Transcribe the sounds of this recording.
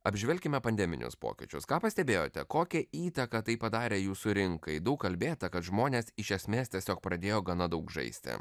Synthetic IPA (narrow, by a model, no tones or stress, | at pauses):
ɐbʲʒʲʋʲɛlʲkʲɪmʲɛpɐnʲd̪ʲɛmʲɪ̰nʲʊ̰spo̰ːkʲɪ̰t͡ʃʲʊskɑːpɐsʲt̪ʲɛbʲeːjoːt̪ʲɛ̰koːkʲɛiːt̪ɐkɐt̪ɐɪpɐd̪ɑːɾʲeːjuːsʊɾʲɪŋkɐɪd̪ɐʊkkɐlʲbʲeːt̪ɐkɐt̪ʒmoːnʲeːsɪʃʲɛsʲmʲeːst̪ʲiɛsʲoːk̚pɾɐd̪ʲeːjoːɡɐnɐd̪ɐʊkʒɐ̰ɪsʲt̪ʲɪ̰